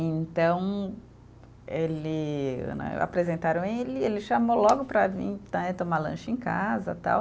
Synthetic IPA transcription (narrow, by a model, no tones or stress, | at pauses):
ẽnt̪ɐ̃w̃ | elɪɐ̰̃nɐ̰̃a̰pɾezẽnt̪aɾɐ̃w̃elɪelɪʃamolɔɡʊpɾɐvḭ̃t̪ɛt̪õmalɐ̰̃ʃẽka̰zɐ̰t̪a̰w